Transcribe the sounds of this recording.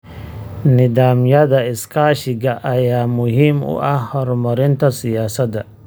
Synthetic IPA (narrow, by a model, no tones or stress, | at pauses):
nɪðaːmjɐðɐɪskʰaːʃɪɡɐʔɐjaːmʊɦiːmʊ̰ʔɐhhɔɾmɔɾɪnt̪ʰɐsɪjaːsɐd̪ɐ